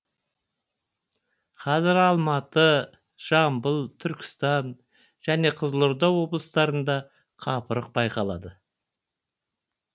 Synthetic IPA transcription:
qʰɑzɪɾɑlˠmɑt̪ə | ʒ̥ɑmbəlˠt̪ʰʏɾkʲʰɪ̥st̪ɑn | ʒ̥æne̞qʰəzəlˠʊɾd̪ɑwo̞blˠəst̪ɑɾənd̪ɑ | qʰɑpəɾəq̚bɑjqɑlˠɑ̰d̪ə

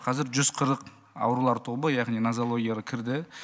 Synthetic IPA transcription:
qʰɑzɪɾʒʏz̥qʰəɾəq | ɑ̰wɾulˠɑɾt̪ʰo̞bəjɑʁnijnazolˠo̞ɡʲijaɾəkʲʰɪɾd̪ɪ

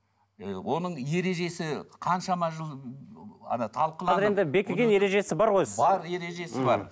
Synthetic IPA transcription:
wʔo̞nəɴje̞ɾe̞ʒe̞sɪqʰɑnʃɑmɑʒəlˠ | ɑ̰nɑt̪ʰɑlˠqəlˠɑzɾend̪ɪbekʲɡʲenjeɾe̞ʒe̞sɪbɑɾʁojbɑɾje̞ɾe̞ʒe̞sɪbɑ̰ɾɾ

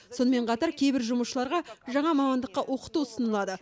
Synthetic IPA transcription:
so̞nəme̞ɴqʰɑt̪ɑɾkʲʰe̞jbɪɾʒʊməʃəlˠɑɾʁɑʒɑɴɑmɑmɑnd̪əqːɑwʔo̞qə̥t̪usənəlˠɑd̪ə

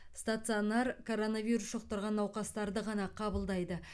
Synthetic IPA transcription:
st̪at̪sɨonɑɾkʰo̞ɾo̞navʲijɾusʃoqt̪ɑɾʁɑnːɑwqɑst̪ɑɾd̪əʁɑnɑqʰɑbəlˠd̪ɑjd̪ə

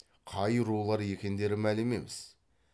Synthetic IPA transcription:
qʰɑjɾulˠɑɾje̞kʲe̞nd̪e̞ɾɪmælɪme̞̰mɪz̥

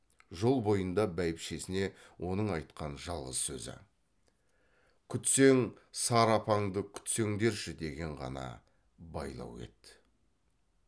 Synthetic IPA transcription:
ʒo̞lˠbo̞jənd̪ɑbæjɪpʃe̞sɪne̞ | wo̞nəɴɑjt̪qɑnʒɑlˠʁəsːɵ̰zɪ̰ | kʲʰʏt̪se̞ŋsɑɾɑpʰɑɴd̪əkʲʰʏ̥t̪se̞ŋd̪e̞ɾʃʏd̪e̞ɡʲe̞ɴʁɑ̰nɑ̰ | bɑ̰jlˠɑ̰we̞̰t̪ː

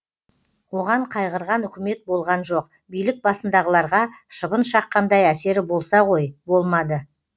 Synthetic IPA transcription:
wo̞ʁɑɴqʰɑjʁəɾʁɑnʏkʲɪme̞t̪̚bo̞lˠʁɑnʒo̞q̚ | bijlɪk̚bɑsənd̪ɑʁəlˠɑɾʁɑʃəbənʃɑqːɑnd̪ɑjæse̞ɾɪbo̞lˠsɑʁojbo̞lˠmɑd̪ə

